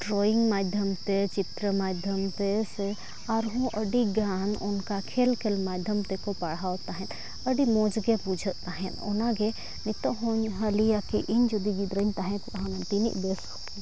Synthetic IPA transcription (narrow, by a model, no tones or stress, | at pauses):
ɖɾoːiŋɡmaːd̪ʱjəmt̪et͡ʃit̪ɾəmaːd̪ʱjəmt̪ese | aɾɦũʔəɖiɡaːnunkakʰeːlkʰelmaːd̪ʱjəmt̪ekopɐɽ̤awt̪aɦɛ̃n | əɖimõːd͡ʒɡebud͡ʒʱət̪aɦɛ̃nonaɡe | nit̪oɦoɲɦɐlijakiʔiɲd͡ʒod̪iɡid̪ɾəɲt̪aɦɛ̃nk̪ɦanɐnt̪inḭʔb̪es